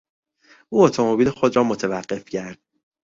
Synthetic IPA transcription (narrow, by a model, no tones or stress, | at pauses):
ʔuːot̪ʰo̞mobiːlexo̞d̪ɾɒːmot̪ʰevæɢ̥ːe̞fcʰæɾd̪̥̚